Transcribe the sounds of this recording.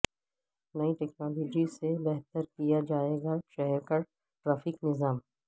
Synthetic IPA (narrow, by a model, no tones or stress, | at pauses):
nɐiʈɛknaːloːd͡ʒisebɛɦt̪əɾkijad͡ʒaːeɡaʃɛɦɛɾkɐɾ | ʈɾaːfɪknɪzaːm